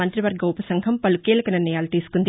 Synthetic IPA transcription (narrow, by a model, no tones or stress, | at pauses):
ɐnt̪ɾiʋɐɾɡʱɐupɐsɐŋɡʱɐmpɐlukeːlɐkɐninɐjaːlut̪iːsu̥kund̪i